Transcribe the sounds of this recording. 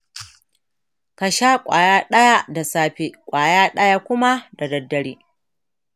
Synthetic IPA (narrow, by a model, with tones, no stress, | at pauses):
ka˨ʃaː˦kʷʼa̰ː˨jaː˦ɗɐ˦ja˦da˨saː˦ɸe˦kʷʼaː˨jaː˦ɗɐ˦ja˦kʷʊ˦ma˦da˨dɐ˨dːɐ˨ɽiː˦